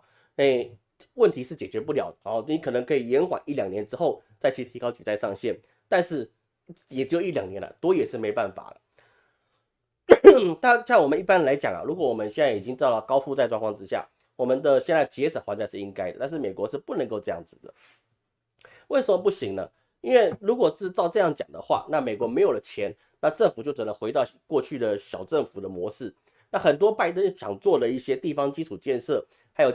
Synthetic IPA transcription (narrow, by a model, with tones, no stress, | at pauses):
e˥˧ | wə˥˩nt̪ʰi˧˥ʂɻ̩˥˩t͡ɕjɛ˨˩t͡ɕɥɛ˧˥pu˥˩ljɑ˨˩ʊd̪ə˨˩˧ni˨˥kʰɤ˨˩nɤ˧˥ŋkʰɤ˧˥i˨˩jɛ˧˥nxwa̰˨˩ni˥˩ljɑ˨˩ŋnjɛ˧˦nʈ͡ʂɻ̩˥xo˥˧ʊt͡sa˥˩ɪt͡ɕʰi˧˥t̪ʰi˧˥kɑ˥ʊt͡ɕḭ˨˩t͡sa˥˧ɪʂɑ˥˧ŋɕjɛ˥˩n | t̪a˥˧nʂɻ̩˥˩ | jɛ˨˩t͡ɕ̩˥ji˥˩ljɑ̰˨˩ŋnjɛ˧˥la̰˧t̪wɔ˥jɛ˨˩ʂɻ̩˥˩me˧˥ɪpa˥˩nfa̰˨˩lə̰˦ | t̪a˥˩ɕjɑ˥˩ŋwɔ˨˩mə˦ni˥˩pa˦˥nla˧˥ɪt͡ɕjɑ˨˩ŋɐ̰˨ɻu˧˥kwɔ˦˩wɔ˨˩mə˦nɕjɛ˥˧nt͡sa˥˩i˨˩t͡ɕi˦ŋʈ͡ʂɻ̩˥d̪ɑ˥˧˩lkɑ˥ʊfu˥˧t͡sa˥˧ɪʈ͡ʂwa˥˧ŋkwɑ˥ŋʈ͡ʂɻ̩˥˦ɕja̰˥˩ | wɔ˨˩mə˧˦nd̪ə˧ɕjɛ˥˧nt͡sa˥˩ɪt͡ɕjɛ˧˥ʂə˨˩xwa˧˥t͡ɕja˧˥ʂɻ̩˥˩i˥ŋka˥ɪdə˨˩t̪a˥˧ʂɻ̩˥˩me˨˩ɪkwɔ˧˥ʂɻ̩˥˧pu˥˩nə˧˥ŋko˥˧ʊʈ͡ʂɤ˧jɑ̰˥˩ŋd͡zɹ̩˩d̪ə̰˩ | we˥˩ɪʂə˨˩mə˧˩pu˥˩ɕi˧˥ŋnə̰˧ | i˥nwe˥˩ɪɻu˧˥kwɔ˨˩ʂɻ̩˥˧t͡sɑ˥˧ʊʈ͡ʂɤ˥˧jɑ˥˩ŋt͡ɕjɑ˨˩ŋd̪ə̰˦xwa̰˥˧na˥˩me˨˩ɪkwɔ˧˥me˧˥ɪjo˨˩ʊlə˦t͡ɕʰjɛ˧˥n | na˥˧ʈ͡ʂə˥˩ŋfu˨˩t͡ɕjo˥˩ʊʈ͡ʂə˨˩nə˦xwe˧˥ɪt̪ɑ˥˩ʊkwɔ˥˧t͡ɕʰy˥˩d̪ə˩ɕjɑ˨˩ʊʈ͡ʂə˥˩ŋfu˨˩d̪ə˦mwɔ˧˥ʂɻ̩˥˩ | na˥˩xə˨˩nt̪wɔ˥pa˥˧ɪt̪ə˦˥nɕjɑ̰˨˩ŋt͡swɔ˥˩lə˩i˥˩ɕjɛ˥t̪i˥˩fɑ˥ŋt͡ɕi˥ʈ͡ʂʰu˨˩t͡ɕjɛ˥˧nʂɤ˥˩ | xa˧˥ɪjo˨˩